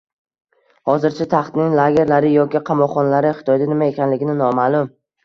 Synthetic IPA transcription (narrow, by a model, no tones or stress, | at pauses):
hɒzɪɾt͡ʃʰat̪ʰaχt̪nɪŋlaɡʲeɾlaɾɪjɒkʲɪqʰɑmɒqχɒnalaɾɪχɪ̥t̪ʰɒjd̪anɪmae̞kʲʰanlɪɡʲɪnɪnɒmaːlˠʊm